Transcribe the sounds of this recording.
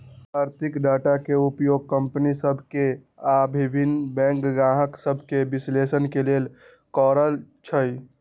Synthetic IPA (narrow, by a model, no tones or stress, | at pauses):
aːɾt̪ʰikɖaʈakeupjoːɡ̚kəmpnisəbʱke | abʱibʱinːbɛ̃ːŋkɡãɦəksəbʱkebislesənkeleːl | kɔɾəlt͡ʃʰəj